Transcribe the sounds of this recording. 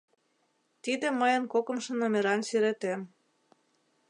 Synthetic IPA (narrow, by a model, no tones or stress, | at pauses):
t̪id̪ĕməjə̆nkokə̆mʃĕnomʲeɾɑnsyɾet̪em